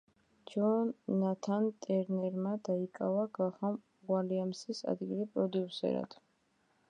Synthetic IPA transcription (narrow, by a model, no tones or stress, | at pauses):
d͡ʒɔnːat̪ʰant̪ʼɛɾnɛɾmad̪aikʼavaɡaχam | ʁwaliamsisa̰d̪ɡilipʼɾɔd̪iusɛ̰ɾa̰d̪ʰ